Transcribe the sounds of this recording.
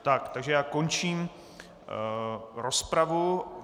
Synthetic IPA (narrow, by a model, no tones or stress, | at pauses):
t̪akt̪aɡʒɛjaːkont͡ʃiːm | ɾospɾavu